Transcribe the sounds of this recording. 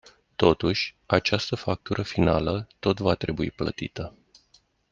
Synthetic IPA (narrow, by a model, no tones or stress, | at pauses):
t̪o̞t̪uʃʲ | at͡ʃast̪əfak̚t̪uɾəfinalət̪o̞t̪vat̪ɾe̞buiplə̰t̪ḭt̪ə